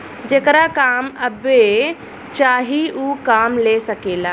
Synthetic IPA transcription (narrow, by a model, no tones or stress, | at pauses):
d͡ʒekɾakaːməbe | t͡ʃaːɦiukaːmlesəkeːla